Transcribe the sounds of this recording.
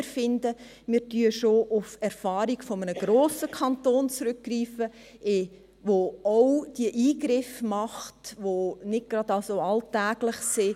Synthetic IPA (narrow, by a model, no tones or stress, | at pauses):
ɾfɪndə | mɪːɾtyəʃoʔʊfɛɾfɑːɾiɡfɔmənəɡ̥ɾoːsəkʰɑntoːnt͡sɾʏkːriːfə | ʔɪ | ʋoɔwd̥iəʔiːɡɾɪfmɑχtʋonɪd̚ɡ̥ɾɑd̥ɑlsoɑltæːɡ̥lɪχsɪ